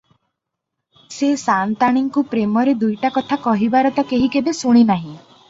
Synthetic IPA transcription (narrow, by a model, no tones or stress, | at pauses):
sesant̪aɽ̃iŋkupɾemɔɾed̪ujʈakɔt̪ʰakɔɦibaɾɔt̪ɔkeɦikebesuɽ̃inaɦĩ